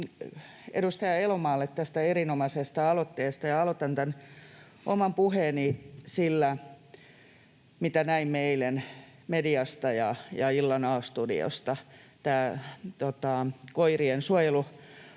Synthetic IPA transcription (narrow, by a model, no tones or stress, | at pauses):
ḛdust̪ɑjɑelomɑːlːet̪t̪æst̪æerinomɑsest̪ɑɑlot̪ːeːst̪ɑjɑɑlot̪ɑnt̪æn | ʔo̰mɑmpuheːnisilːæ | mit̪ænæimmeilen | mediɑst̪ɑjɑjɑilːɑnɑːst̪udḭo̰st̪ɑt̪æːt̪ot̪ɑkoiriensuojelu